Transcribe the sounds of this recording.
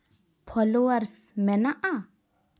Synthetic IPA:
pʰɔloəɾs | mɛnaʔa

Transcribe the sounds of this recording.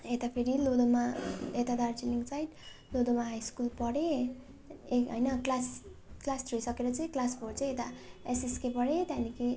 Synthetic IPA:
et̪apʰeɾilod̪omaet̪ad̪art͡siliŋɡt͡sajʈ | lod̪omaɦajskulpʌɽe | ekɦʌjnʌklasklasrojsʌkeɾʌt͡sʌĩklasboɽt͡sʌĩet̪aesiskepʌɽet̪aniki

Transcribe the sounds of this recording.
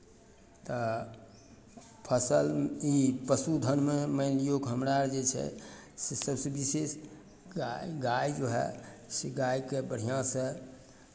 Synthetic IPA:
t̪ɔ | pʰəsəlipəsud̪ʱənmeməɪlijokɦəmɾaɾd͡ʒet͡ʃʰɛ̰sesəbsebises | ɡajd͡ʒoɦɛ̰seɡajkebəɽ̤ijãsə̃

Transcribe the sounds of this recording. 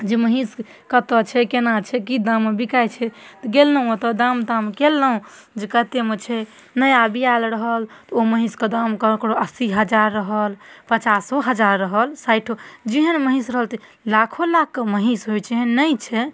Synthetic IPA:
d͡ʒeməɦĩs | kət̪ət͡ʃʰɛkenat͡ʃʰɛkid̪amːebikajt͡ʃʰɛt̪ɔɡelːəɦũot̪ɔd̪amd̪amkelːəɦũ | d͡ʒekət̪emet͡ʃʰɛ | nəjabijalɾəɦəlt̪ɔoməɦĩskəd̪amkəkɾoəsiɦəd͡ʒaɾːəɦəlpət͡ʃasoɦəd͡ʒaɾːəɦəlsajʈʰod͡ʒiɦənməɦisɾəɦəlt̪ʰi | lakʰolakːəməɦisɦojt͡ʃʰɛɦnəjt͡ʃʰɛ

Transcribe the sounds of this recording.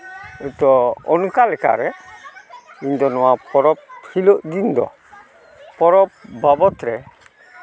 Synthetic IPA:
ɛt̪ɔɔnukalɛka̰ɾɛ | ind̪ɔnɔwapɔɾɔp̚hiloʔɡind̪ɔ̰ | pɔɾɔp̚bʱabɔt̪ɾɛ

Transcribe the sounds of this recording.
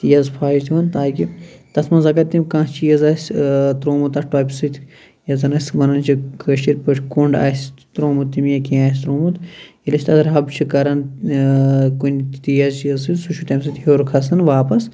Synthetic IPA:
t̪ijɐzpʰaːʃt̪ʲiʋɐnt̪aːkʲit̪ɐsmɐzɐkɐt̪ːimʲkãːst͡ʃijɐzaːsʲt̪ɾoːmut̪ɐʈoːpʲsɨt̪ʰʲ | jɐzɐnɐsʲʋɐnɐnt͡ʃʰikʰəʃiɾʲpɐʈʰkuɳɖa̰ːsʲt̪ɾoːmut̪ːimjɐkiaːs̬ʲt̪ɾoːmut̪ | ilɐsʲt̪ɐsɾɦɐbt͡ʃʰikɐɾɐn | kunʲt̪ijɐzt͡ʃijɐzsɨsuʃʰut̪ʲɐms̬ɨt̪ʲhoːɾkʰɐsɐnʋaːpɐs

